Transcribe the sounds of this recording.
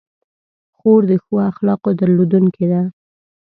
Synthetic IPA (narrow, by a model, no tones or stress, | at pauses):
xoɾd̪əxwaxlɑqod̪aɾlod̪uŋked̪a